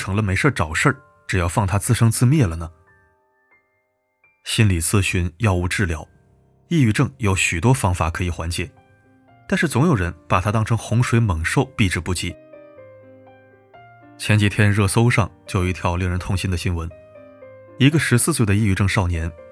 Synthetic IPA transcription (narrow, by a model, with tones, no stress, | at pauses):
ʈ͡ʂʰɤ˧˥ŋlə˧me˧˥ɪʂə˥˩ʈ͡ʂɑ˨˩ʊʂə˥˩ | ʈ͡ʂɻ̩˨˩jɑ˥˧ʊfɑ˥˩ŋt̪ʰa˥t͡sɹ̩˥˧ʂɤ˥ŋt͡sɹ̩˥˧mjɛ˥˩lə˩nə˩ | ɕi˥nli˨˩t͡sʰɹ̩˥˩ɕy˧˥njɑ˥˧ʊu˥˧ʈ͡ʂɻ̩˥˩ljɑ˧˥ʊ | i˥˧y˥˧ʈ͡ʂɤ˥˩ŋjo˧˥ʊɕy˨˩t̪wɔ˥fɑ˥ŋfa˨˩kʰɤ˧˥i˨˩xwa˧˥nt͡ɕjɛ˨˩˦ | t̪a˥˧nʂɻ̩˥˩t͡sʊ˧˥ŋjo˨˩ʊɻə˧˥npa˨˩t̪ʰa˥t̪ɑ˥ŋʈ͡ʂɤ˥ŋxʊ˧˥ŋʂwe˧˥ɪmə˨˩ŋʂo˥˧ʊpi˥˧ʈ͡ʂɻ̩˥˩pu˥˩t͡ɕi˥˩˦ | t͡ɕʰjɛ˧˥nt͡ɕi˨˩t̪ʰjɛ˥nɻɤ˥˧˩so˥ʊʂɑ˥˧ŋt͡ɕjo˥˩ji˧t̪ʰjɑ˥˧ʊli˧˥˩ŋɻə˧˥nt̪ʰʊ˥˧ŋɕi˥nd̪ə˨˩ɕi˥nwə˧˥n | i˧˥ɡə˧ʂɻ̩˧˥sɹ̩˥˧swe˥˩ɪd̪ə˩i˥˧y˥˧ʈ͡ʂɤ˥˧ŋʂɑ˥˩ʊnjɛ˧˥n